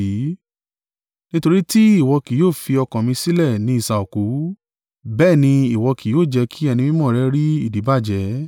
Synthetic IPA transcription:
i˨˦ | nĩ˦to˧ɾi˦ti˦i˦˨wɔ˧ki˨joː˦˨fi˧ɔ˧kɔ̃˨mĩ˧si˦lɛ˦˨nĩ˨˦i˦˨sa˨o˨ku˨˦ | bɛː˦˨nĩ˧i˨wɔ˧ki˨joː˦˨d͡ʒɛ˧kʰi˦ɛ˧nĩ˧mĩ˦mɔ̃˦˨ɾɛ˦ɾi˦i˦˨di˨˦ba˦˨d͡ʒɛ˨˦

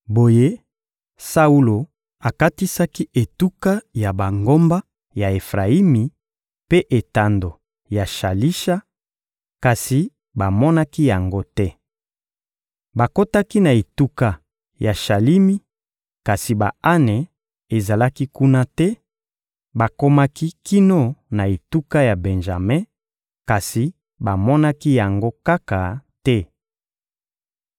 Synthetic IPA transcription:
bo˨je˦ | sa˦u˦lo˨ | a˨ka˦ti˦sa˦ki˦e˨tu˦ka˦ja˨ba˨ŋɡo˦mba˦ | ja˨e˨fʁa˨i˦mi˨ | pe˦ʔe˨ta˨ndo˨ | ja˨ʃa˨li˦ʃa˦ | ka˨si˨ | ba˨mɔ˦na˦ki˦ja˨ŋɡo˦tɛ˦ | ba˨ko˦ta˦ki˦na˨e˨tu˦ka˨ | ja˨ʃa˨li˦mi˦ | ka˨si˨ba̰˨a˦nɛ˨ | e˨za˨la˦ki˦ku˦na˦tɛ˦ | ba˨ko˦ma˦ki˦ki˦no˦na˨e˨tu˦ka˦ja˨be˨nʒa˨me˦ | ka˨si˨ | ba˨mɔ˦na˦ki˦ja˨ŋɡo˦ka˦ka˨tɛ˦

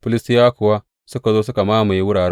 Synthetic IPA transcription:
pʊ˦lɪ˦stɪ˦jaː˦kʊ˨wa˦ | sʊ˦ka˨zoː˦sʊ˦ka˨maː˦ma˨ji˦wʊ˦ɽaː˨ɽɛ˦

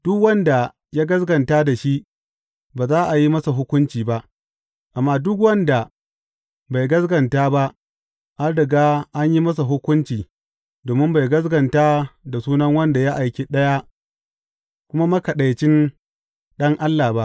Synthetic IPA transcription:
d̥ʊ˦kwɐ˦nda˨ | ja˦ɡɐ˦zɡɐ˨ntaː˦da˨ʃi˦ | baː˨zaː˦ʔa˨ji˦mɐ˦sa˨ɦʊ˦kʷʊ˦nt͡ʃiː˨ba˦ʔ | ʔa˨mːaː˦dʊ˦k̬wɐ˦nda˨ | ba˨jɡɐ˦sɡɐ˨ntaː˦ba˦ʔ | ʔa˦ɽɪ˨ɡaː˦ʔa˦ɲji˦mɐ˦s̬a˨ɦʊ˦kʷʊ˦nt͡ʃiː˨ | doː˨mɪ˦mba˨jɡɐ˦s̬ɡɐ˨ntaː˦da˨suː˦nɐ˦ŋwɐ˦nda˨ja˦ʔa˨jkʲi˦ɗɐ˦ja˦ | kʷʊ˦ma˦mɐ˦kɐ˨ɗa˨jt͡ʃɪ˦n | ɗɐ˦ŋʔa˦lːaː˨ba˦ʔ

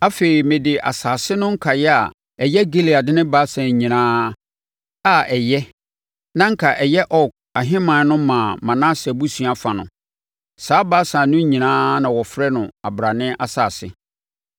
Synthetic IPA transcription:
a˦fe˨ɾi˨mɪ̃˨dɪ˨ʔa̰˨saː˨sɪ˦nʊ̃˦ŋ̩˦kʰa˨jɛ˦a˨ | ɛ˨jɛ˦ɡe˦li˨a˨dɪ˦nɪ̃˦ba˦sã˨ɲĩ˨nãː˦ | a˦ɛ˨jɛ˦ | nã˦ŋ̩˦kʰa˨ʔɛ˨jɛ˦ʔɔ˦˨k̚a˨ɦɪ̃˦mã˨˦nʊ̃˦mã˨mã˨nã˦sɛ˨bu˦sɥ̃a˦fa˨nʊ̰̃˨ | saː˨˦ba˦sã˨nʊ̃˦ɲĩ˨nãː˦nã˨wɔ˨fɾɛ˦nʊ̃˨a˨bɾa˨nɪ̃˦ʔa˨saː˨sɪ̰˦

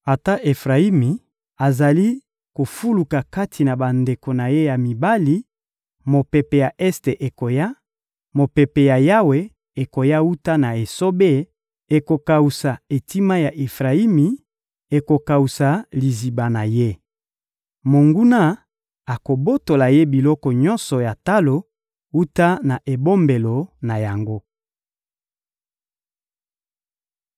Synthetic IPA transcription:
a˨ta˦ʔe˨fʁa˨i˦mi˨ | a˨za˨li˦ | ko˨fu˦lu˨ka˨ka˦tʰi˨na˨ba˨nde˨ko˨na˨je˦ja˨mi˨ba˦li˨˦ | mo˨pe˨pe˨ja˨ʔɛ˦ste˨ʔe˨ko˨ja˦ | mo˨pe˨pe˨ja˨ja˦we˨ | e˨ko˨ja˦u˦ta˦na˨e˨so˦be˦ | e˨ko˨ka˨u˨sa˨e˨ti˦ma˦ja˨ʔe˨fʁa˨i˦mi˨ | e˨ko˨ka˨u˨sa˨li˨zi˨ba˨na˨je˦ | mo˨ŋɡu˦na˦ | a˨ko˨bo˦to˨la˨je˦bi˨lɔ˦kɔ˨ɲɔ˦nsɔ˨ja˨ta˦lo˨ | u˦ta˦na˨ʔe˨bo˦mbe˨lo˨na˨ja˨ŋɡo˦

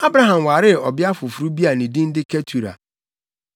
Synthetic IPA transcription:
a˦bɾa˨ɦã˨mwa˨ɾɪ˦˨ɔ˨bɪ˦a˦fʊ˨fu˨ɾu˦bi˦a˨nĩ˨dĩ˦n̩˦dɪ˦kʰɛ˦tʰu˨ɾa̰˨

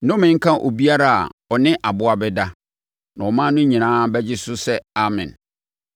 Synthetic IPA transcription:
nʊ̃˦mɪ̃˨˦ŋ̩˦kʰã˦ʔo̰˨bi˦a˦ɾa˦˨a̰˨ɔ˨nɪ̃˦ʔa˨bʊ˦a˨bɛ˦da˦ | nã˨ɔ˨mã˦nʊ̃˦ɲĩ˨nãː˦bɛ˦d͡ʑɪ˦sʊ˦sɛ˦a˦mɪ̰̃˨n

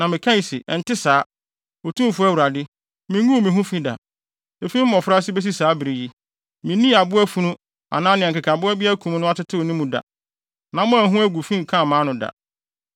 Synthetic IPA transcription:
nã˨mɪ̃˨kʰã˦i˨sɪ˨ʔɛ˨n̩˨tɪ˦saː˨˦ | o˨tʰũ˦˨fʊ˦æ˦˨wu˨ɾa˨dɪ˦ | mĩ˨ŋũ˦˨mĩ˨ɦũ˦fĩ˦da̰˨ | e˨fĩ˦m̩˦mɔ̃˨fɾa˦s̬ɪ˦be˦s̬i˦saː˨˦bi˨ɾi˨ji˦ | mɪ̃˨nĩ˦a˨bʊ˦æ˦fu˦nũ˦ | a̰˨nãː˦nɪ̃˨ŋ˨kɪ˨kʰa˨bʊ˦ɛ˦bɪ˦æ˦kʰũ˨m˦nʊ̃˦a˦tɪ˦tʰɪ˦o˨nĩ˦mũ˨da̰˨ | nã˨˦mʊ̃˦æ˨ɦũ˦æ˦ɡʷu˨fĩ˦ŋ˨kʰã˦˨mãː˦nʊ̃˨da̰˨

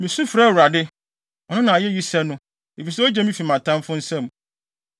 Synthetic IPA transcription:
mĩ˨sũ˦fɾa˦˨wu˨ɾa˨dɪ˦ | ɔ˨nʊ̃˦nã˨a˨jɛ˦ɥi˦sɛ˦nʊ̃˦ | e˨fi˨sɛ˦ɔ˦d͡ʑɛ˦mĩ˦fi˨mã˨tʰã˦mfʊ̃˦n̩˦sɛ̃˦˨m˨

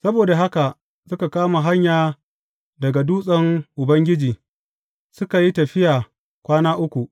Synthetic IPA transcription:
sɐ˦boː˨da˨ɦa˦ka˨ | sʊ˦ka˨kaː˦ma˨ɦa˦ɲjaː˨ | dɐ˨ɡa˨duː˦sʼɐ˦ŋʔʊ˨bɐ˦ŋɡʲɪ˦d͡ʒiː˨ | sʊ˦ka˨ji˦tɐ˨ɸɪ˦jaː˨ | kʷaː˦naː˦ʔʊ˦kʷu˨ʔ

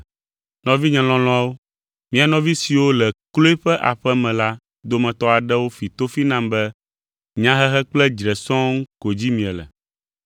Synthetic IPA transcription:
nɔ̃˨vi˦ɲɛ̃˨lɔ̃˦lɔ̃˦a˦wo˦ | mĩ˨a˨nɔ̃˦vi˦si˨wo˦lɛ˨klo˦e˦ɸɛ˦ʔa̰˨ɸɛ˦mɛ̃˨la˦ | d̪o˦mɛ̃˨t̪ɔ˦a˨ɖɛ˦wo˦fi˨t̪o˦fi˦nã˦mbɛ˦ | ɲã˦ɦɛ˦ɦɛ˦k͡plɛ˦d͡ʒɾɛ˨sɔ̃˦ŋ˦ko˨d͡ʑi˦mĩ˨ɛ˨lɛ̰˨

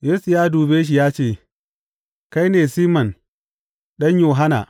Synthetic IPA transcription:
jeː˦su˨jaː˦duː˨beː˦ʃ̬i˨jaː˦t͡ʃeː˦˨ | ka˦jneː˨siː˦mɐ˨n | ɗɐ˦ɲjoː˨ɦa˦na̰˨

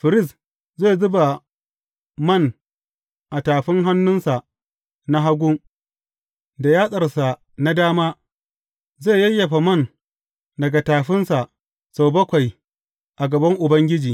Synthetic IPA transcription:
ɸɪ˨ɾɪ˦˨s | zeː˦˨zʊ˦ba˨ | mɐ˦˨n | ʔa˨taː˨ɸɪ˦ŋɦa˦nːʊ˦nsa˨ | na˦ɦa˦ɡʷu˦ | da˨jaː˦sʼɐ˨rsa˨ | na˦daː˦maː˦ | zeː˦˨jɐ˦jːɐ˨ɸa˨mɐ˦˨n | dɐ˨ɡa˨taː˨ɸɪ˦nsa˨ʔ | sa˨wbɐ˦kʷa˨j | ʔa˨ɡɐ˨bɐ˦ŋʔʊ˨bɐ˦ŋɡʲɪ˦d͡ʒiː˨

